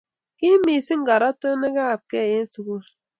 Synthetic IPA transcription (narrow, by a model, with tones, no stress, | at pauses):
ki˦mi˨si˦ŋ̩˦ɡa˨ɾa˦tə˦ne˦ɡa˦a˨p̚ke˦˨je˦n̩˦su˨ɡu˦